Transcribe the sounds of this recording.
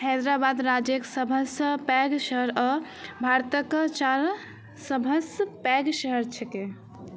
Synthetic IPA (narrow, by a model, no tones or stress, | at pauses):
hɛd̪ɾabad̪ɾad͡ʒeksəbʱəspɛɡʃəɦəɾə | bʱaɾt̪əkt͡ʃaɾ | səbʱəspɛɡʃəɦəɾt͡ʃʰɛke